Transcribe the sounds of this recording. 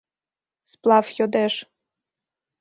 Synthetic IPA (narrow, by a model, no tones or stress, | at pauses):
splˠɑfjod̪eʃ